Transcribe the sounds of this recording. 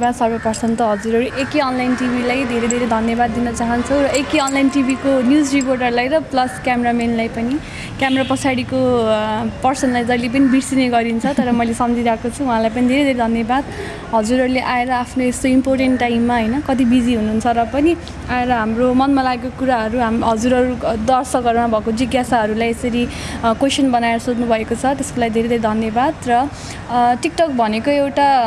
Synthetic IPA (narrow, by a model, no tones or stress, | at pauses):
bad̪sʌrbʌpʌrsʌnt̪ʌɦʌd͡zuɾʌɾuʔekeʌnlajnʈibʱilajd̪ʱeɾejd̪ʱeɾed̪ʱʌnjʌbad̪ːinʌt͡saɦʌnt͡sʰʌwrʌʔekeʌnlajnʈibʱikonjud͡zriporʈʌrlajɾʌplʌskjameɾamenlajpʌni | kjameɾapʌt͡sʰaɽiko | pʌrsʌnlajd͡zʌjlep̬ʌnibiɽsineɡʌɾint͡sʰʌt̪ʌɾʌmʌjlesʌmd͡ziɾʌaakot͡sʰuũɦãlajpʌnid̪ʱeɾejd̪ʱeɾed̪ʱʌnjʌbad̪ | ɦʌd͡zuɾɦʌɾuleʔaeɾʌapʰnoest̪oimporʈeɳʈːajmːaɦʌjnʌkʌt̪̬ibid͡ziɦunuɦunt͡sʰʌrʌpʌni | aeɾʌɦamromʌnmalaɡekokuɾaɦʌɾuɦamɦʌd͡zuɾʌɾud̪ʌrsʌkɦʌɾumabʱʌekod͡ziɡjasaɦʌɾulajesʌɾikosʌnbʌnaeɾʌsot̪nubʱʌekot͡sʰʌt̪eskolaɡid̪ʱeɾed̪ʱeɾed̪ʱʌnjʌbad̪rʌ | ʈik̚ʈʌk̚bʱʌnekoewʈa